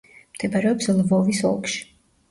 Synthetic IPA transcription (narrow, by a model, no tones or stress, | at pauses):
md̪̥ɛbaɾɛɔpslvɔvisɔ̰lˠkʃi̥